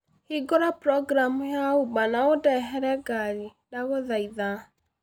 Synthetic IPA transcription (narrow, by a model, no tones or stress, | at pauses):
hiɡɔɾapɾɔɡɾamujaubanaodɛɦɛɾɛɡaɾi | daɣoðaiða